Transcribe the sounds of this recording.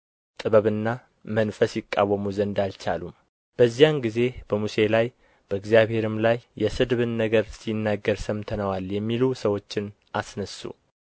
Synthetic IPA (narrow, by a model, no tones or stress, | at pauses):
t̪ʼɨβəβɨnːa | mənfəsjɪkʼːa̰wːəmuzənd̪alt͡ʃa̰lum | b̥əzːijanɡize̞b̥əmuse̞laj | b̥əɨɡzjaβhe̞ɾɨmlajːɛsɨd̪βɨnːəɡəɾsinːaɡːəɾsəmt̪ʰənəwaljɛmːilusəwo̞t͡ʃːɪn | ʔasnəsːṵ